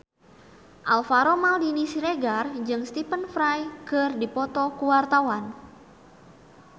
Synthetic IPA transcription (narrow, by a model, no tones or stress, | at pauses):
ʔalfaɾomaldinisiɾeɡard͡ʒɨŋst̪ipənfɾajkɨrdipɔt̪ɔkuwart̪awan